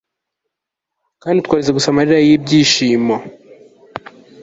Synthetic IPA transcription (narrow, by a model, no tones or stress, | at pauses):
kaːnitwaːɾizeɡusamaɾiɾajibɟiːʃiːma